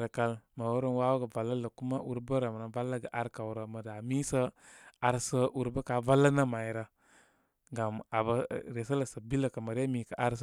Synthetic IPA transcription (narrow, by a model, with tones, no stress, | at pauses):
ɾə˨ka˧lmə˨wo˦ɾo˦nwa˦wə˦ɡə˨va˨lːə˦lə˨ku˦ma˦ʔu˦ɾbə˦ɾə˨mə˨nə˨va˦lːə˦ɡə˨ʔa˨ɾka˨wɾə˨mə˨da˨mi˦sə˦a˨ɾsə˦ʔu˦ɾbə˦ka˨va˦lːə˦nə˦ma˨i˨ɾə˨ | ŋɡa˨ma˨bə˦ɾe˨s̬ə˦lə˨sə˨bi˦lə˨kə˨mə˨ɾe˦mi˨kə˨ʔa˦ɾs